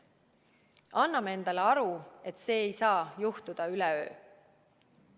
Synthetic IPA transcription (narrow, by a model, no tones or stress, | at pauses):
ɑnːɑmee̞nd̪̥ɑleɑɾue̞t̪se̞ːjsɑːjuht̪ud̪̥ɑylɛø̞̰ː